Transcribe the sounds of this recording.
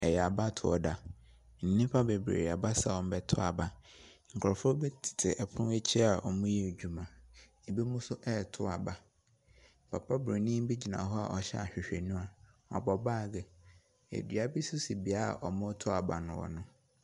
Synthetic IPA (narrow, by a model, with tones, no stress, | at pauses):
ɛ˨jɛ˨a˨ba˦tʰʊ˨ɔ̰˨da˨ | n̩˨nĩ˦pʰa˦be˨bɾḛː˨ɾa˨ba˦sa˨wɔ̃˨m˦bɛ˨tʰʊ˦a̰˨ba˨ŋ̩˨kʰɾɔ˨fɔ˦bɛ˦tʰɪ̥˨tʰɪ˨ʔɛ˨pʰʊ̃˦ɛ˦t͡ɕʰɛ˦a˨ʔɔ˨mʊ̃˦jɛ˦˨d͡ʑᶣu˨mã˨ | e˨be˦mʊ̃˦sʊ˦ʔɛ˦˨tʰʊ˦a˨ba˨ | pʰa˨pʰa˦be˨nĩ˦m˦bi˦d͡ʑi˨nã̰˨ɦɔ˦a̰˨ʔɔ˨ɕɛ̰˦a̰˨ɕᶣɪ˨ɕᶣe˨nũ˦a˨ | ɔ̰˨bɔ˨baː˦˨ɡɛ˨ | ḛ˨dɥa˨bi˦sʊ˦si˨bi˨a˦a̰˨ʔɔ˨mʊ̃˦tʰʊ˦a˨ba̰˨nʊ̃˨wɔ̰˨nʊ̃˦